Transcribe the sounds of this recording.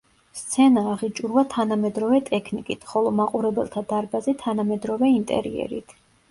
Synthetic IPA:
st̪sʰɛnaːʁit͡ʃʼuɾvat̪ʰanamɛd̪ɾɔvɛt̪ʼɛkʰnikʼit̪ʰχɔlˠɔmaqʼuɾɛbɛ̰lˠt̪ʰad̪aɾbazɛt̪ʰanamɛd̪ɾɔvɛint̪ʼɛ̰ɾḭɛ̰ɾḭt̪ʰ

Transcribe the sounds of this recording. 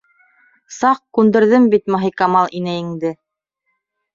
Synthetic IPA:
sɑqkʉnd̪ɘ̆ɾðɘmbit̪mŏɦikɑmɑlˠinæjɘ̆ŋd̪ɘ

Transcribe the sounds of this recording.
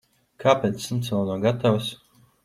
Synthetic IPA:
kaːpʲeːt̪sːimt̪snanɔɡat̪aws

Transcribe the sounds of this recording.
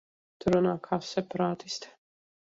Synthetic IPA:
t̪uɾunaːkʰaːsɛpaɾaːt̪ist̪

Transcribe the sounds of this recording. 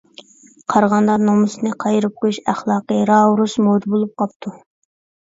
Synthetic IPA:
qʰɑɾʁɑnd̪ɑɾnomɨsɨnɨqʰɑjɾɨp̚qojuʃæχlˠɑːqəɾɑɾusmod̪bolˠup̚qʰɑp̚t̪ʰu

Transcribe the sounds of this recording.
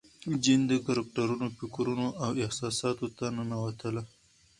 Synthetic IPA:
d͡ʒind̪əkaɾɪk̚ʈaɾunopikɾunoʔawɪhsɑsɑt̪ot̪anənawat̪əla

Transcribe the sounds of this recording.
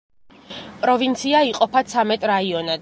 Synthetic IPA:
pʼɾɔvint̪sʰiaiqʼɔpʰat̪sʰamɛt̪ʼɾaiɔnad̪

